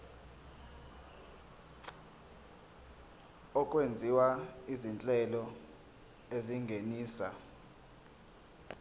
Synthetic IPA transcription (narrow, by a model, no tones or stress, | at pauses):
ɔkʼwend͡zʱiwaizint͡ɬʼɛlɔ | eziŋɡʱeniːsa̰